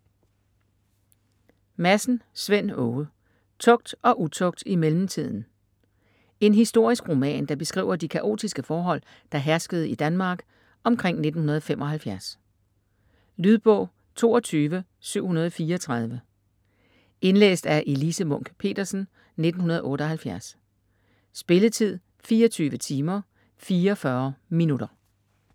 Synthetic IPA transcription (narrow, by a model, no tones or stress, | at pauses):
mæsn̩sʋen̰ɔː | t͡sʰɔ̽ɡ̥̚d̥ɒ̽ʔut͡sʰɔ̽ɡ̥̚d̥imelm̩t͡sʰið̞̰ˠn̩ | e̝nɦisd̥o̝ɐ̰isɡ̥ʁo̝mɛ̰ːnd̥ɑ̈b̥e̝sɡ̥ʁḭːʊɐd̥ikʰæʔo̝̰ːd̥isɡ̥əfɒːɦɒ̽l̰ | d̥ɑ̈ɦæɐsɡ̥əð̩ˠid̥ænmɑ̈ːɡ̥ | ʔɒ̽mkʰʁeŋ̰ne̝d̥n̩hunɐð̞ˠɒfem̰ʔɒ̽hælfjæɐs | lyðˠb̥ɔ̰̽ʊ̰ | t͡sʰo̝ːɒt͡sʰyːʋə | syʊ̰hunɐð̞ˠɒfiːɐɒt͡sʰʁɑ̈ð̞ˠʋə | e̝nlḛːsd̥æɐʔe̝lisəmɔ̽ŋ̰ɡ̥pʰe̝̰ːd̥ɐsn̩ | ne̝d̥n̩hunɐð̞̩ˠʔɔ̽ːɾəɒ̽ɦælfjæɐs | sb̥e̝lət͡sʰið̞̰ˠ | fiːɒt͡sʰyːʋət͡sʰiːmɐ | fiːɐɒfɶɐminud̥ɐ